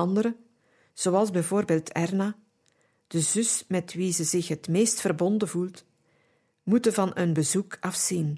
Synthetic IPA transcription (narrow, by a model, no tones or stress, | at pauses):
ɑndəɾə | z̥oɑlˠzbɛjvoːrbeːlˠtʰɛrnaː | d̥əzʏsmɛtʋizəzɪxɦətmeːstfərbɔndəvulˠt | mutəvɑnənbəzukɑfsin